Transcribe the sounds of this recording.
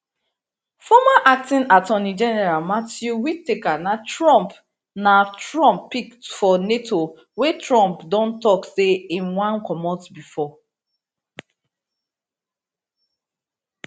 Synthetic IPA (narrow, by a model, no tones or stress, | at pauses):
fɔmaʔak̚tĩnatɔnid͡ʒɛnɛɹalmatjuwitːekanatɹɔ̃mp | natɹɔ̃mpːiktfɔnetʰo | wetɹɔ̃mpdɔ̃ntɔkseĩnwãnkɔmɔtbifɔ